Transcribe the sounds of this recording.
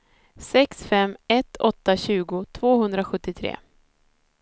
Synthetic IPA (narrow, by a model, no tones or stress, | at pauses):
sɛksfɛmɛt̪ʰɔt̪ːaɕʉ̟ːɡʊt̪ʰv̥oːhɵnd̪ɾaɧɵt̪ːɪt̪ʰɾḛː